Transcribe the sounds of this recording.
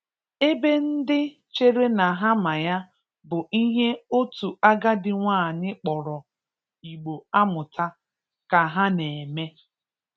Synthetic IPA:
e˦be˦n̩˦dɪ˦ | t͡ʃe˦ɾe˦na˨ɦa˦ma˨ja˦ | bʊ˨ʔi˦ɦe˦o˦tu˨a˦ɡa˦dɪ˨ŋʷaː˦˨nɪ˦k͡pɔ˨ɾɔ˨ | i˨ɡ͡bo˨a˦mʊ˨ta˦ | ka˨ɦa˦ne˨e˨me˦

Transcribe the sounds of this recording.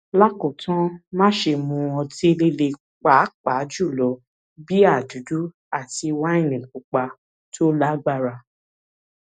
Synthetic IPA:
la˦ko˨tã˦mã˦ʃe˧˨mũ˧ɔ˧de˦le˦le˧ | k͡pa˨˦k͡pa˨˦d͡ʒu˦˨lɔ˨˦ | bi˦a˦˨du˨˦du˦ | a˦˨ti˧wa˦ĩ˦˨nĩ˨k͡pu˨k͡pa˧ | tʰo˦la˦ɡ͡ba˦˨ɾa˧

